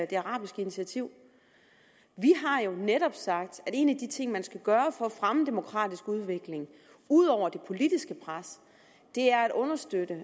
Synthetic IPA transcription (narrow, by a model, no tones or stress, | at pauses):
d̥e̝ɑ̈ʁɑ̈ːb̥isɡ̥əinit͡sʰæt͡sʰiʊ̰ | ʋiɦɑ̈jo̝neɾɒ̽b̥sɑ̈ɡ̥̚d̥æ̥e̝̰ːnæd̥it͡sʰe̝ŋ̰mænsɡ̥æɡ̥ɶːɐfɒfʁaməd̥e̝mo̝kʰʁɑ̰̈ːd̥isɡ̥uð̞ˠʋe̝ɡ̥le̝ŋ | uð̞̰ˠɒʊ̰ɐd̥e̝pʰo̝lid̥isɡ̥əpʰʁas | d̥e̝æɐæɾ̥ɔ̽nɐsd̥ød̥ə